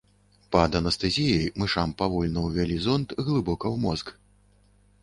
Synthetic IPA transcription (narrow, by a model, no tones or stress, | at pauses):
pɐd̪ɐnɐst̪ɐzʲijɐjmɨʂampavɔlʲnɐwvʲalʲizɔnt̪ɣlˠɨbɔkɐwmɔzk